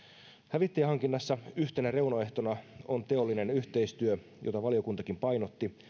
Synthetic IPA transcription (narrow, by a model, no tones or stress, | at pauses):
hæʋit̪ːejhɑŋkinːɑsːɑyht̪e̞nære̞unoe̞ht̪o̞nɑo̞nt̪e̞o̞lːine̞nyht̪e̞ist̪yø | jʔo̞̰t̪ɑʋɑlijo̞kunt̪ɑkimpɑjno̞t̪ːi